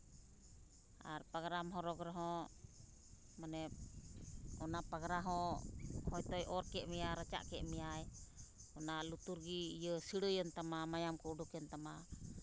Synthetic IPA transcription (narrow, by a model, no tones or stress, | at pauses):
ʔa̰rpaɡɾamɦɔɾɔɡɾaɦɔ | manɛp̚ | ɔnapaɡɾaɦɔhɔjt̪ɔjʔɔɾkɛʔmiaɾat͡ʃa̰ʔkɛʔmiajɔnalut̪uɾɡiːjəsiɽəjənt̪amamajamkɔuɖukənt̪ama